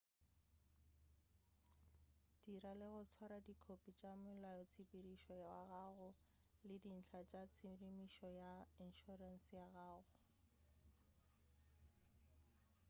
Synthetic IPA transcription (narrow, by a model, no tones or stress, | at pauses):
d̥iɾalɪɣʊt͡sʰwaɾadikʰopʼit͡ʃʼamʊlajɔt͡sʰipʼiriʃɔjaɣaɣʊ | lɪdin̩t͡ɬʰat͡ʃʼat͡sʰirimiʃɔjain̩ʃɔran̩sjaɣaːɣʊ